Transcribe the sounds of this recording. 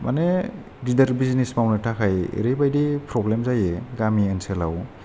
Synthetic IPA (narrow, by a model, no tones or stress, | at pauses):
ma̰ne | didəɾbiznismawnɯtʰakʰaj̰ɾejbajdipʰɾɔblemzajeɡamiensela̰w